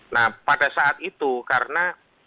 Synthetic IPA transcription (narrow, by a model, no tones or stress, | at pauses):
nahpadasaʔat̪̚it̪ukarəna